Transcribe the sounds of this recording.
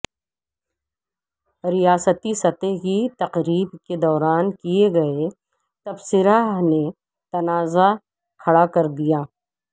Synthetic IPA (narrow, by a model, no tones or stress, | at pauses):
ɾijaːsət̪isɐt̪ekit̪ɐqɾiːbked̪ɔːɾaːnkieɡɐe | t̪ɐbsɪɾane | t̪ɐnaːza | kʰɐɽakɐɾd̪ijaː